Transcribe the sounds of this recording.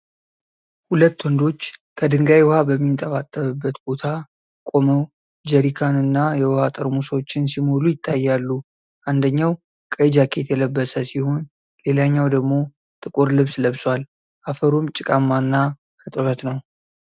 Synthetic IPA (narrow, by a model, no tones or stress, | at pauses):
hulət̪ːwɔnd̪o̞t͡ʃːkʰəd̪ɨŋɡajwhabəmːint̪ʼəβat̪ʼːəβɨbːət̪bo̞t̪ʰa | kʼo̞məw | d͡ʒəɾikʰanɨnːajɛwhat̪ʼəɾmusəwot͡ʃːɪnsimo̞lujɪt̪ʰːajːalːu | ʔand̪əɲːaw | kʼəd͡ʒakʰe̞t̪ʰjɛləbːəsəsiho̞n | le̞laɲːawd̪əɡmo̞ | t̪ʼɨkʼuɾlɨβsləβswal | ʔafəɾomt͡ʃʼɪkʼamːanːa | kɨt̪ʼɨβət̪nəw